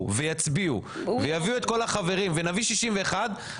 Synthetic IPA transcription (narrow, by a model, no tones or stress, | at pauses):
vejat͡sbiṵvejaviue̞t̪̚ko̞laχave̞ʁimvenaviʃiʃimveːχad̪